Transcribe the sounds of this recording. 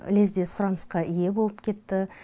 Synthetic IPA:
ɪ̰lezd̪e̞sʊɾɑnəsqɑʔije̞bo̞lˠəp̚kʲʰe̞t̪ːɪ

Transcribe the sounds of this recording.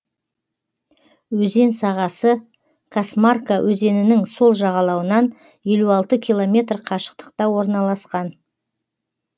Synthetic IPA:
wɵze̞nsɑʁɑsə | kʰasmarkawʔɵze̞nɪnɪŋso̞lˠʒɑʁɑlˠɑwənɑn | je̞luɑlˠt̪əkʲʰijlˠo̞mʲe̞t̪rqʰɑʃə̥qt̪ə̥qt̪ɑwo̞ɾnɑlˠɑsqɑn

